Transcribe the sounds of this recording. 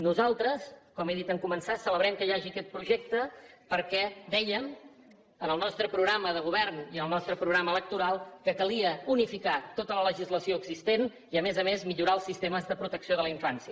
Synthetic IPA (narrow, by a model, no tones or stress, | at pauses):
nuzalˠt̪ɾəskɔmeðit̪əŋkumənsasələβ̞ɾɛmkəjaʒikɛt̪̚pɾuʒɛk̚t̪əpəɾkɛd̪ɛjəm | ənəlˠnɔst̪ɾəpɾuɣɾaməðəɣ̞uβɛrniənəlˠnɔst̪ɾəpɾuɣɾamələk̚t̪uɾalˠkəkəliəunifikat̪ot̪ələləʒizləsioəɡz̥ist̪en | iəmezəmezmiʎuɾaəlˠsist̪eməzðəpɾut̪əksioð̞ələiɱfansiə